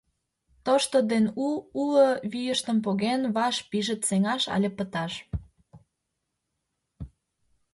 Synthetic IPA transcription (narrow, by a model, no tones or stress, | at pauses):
t̪oʃt̪od̪enuuləβijəʃt̪ə̆mpoɣenβɑʃpiʒət̪seŋɑʃɑ̰lʲepət̪ɑʃ